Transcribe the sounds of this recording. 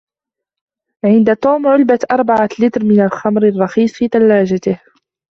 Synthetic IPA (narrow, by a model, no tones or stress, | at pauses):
ʕɪnd̪at̪ˤuːmʕʊlbat̪ʔɑɾˤbaʕalɪt̪ɾmɪnalxamɾarˤːɑxiːsˤfiːt̪alːaːd͡ʒat̪ɪh